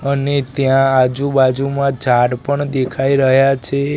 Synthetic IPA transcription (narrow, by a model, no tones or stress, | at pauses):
ənet̪jãːd͡ʒubad͡ʒumãd͡ʒʱaɽpəɳd̪ekʰaiɾəɦjat͡ʃʰe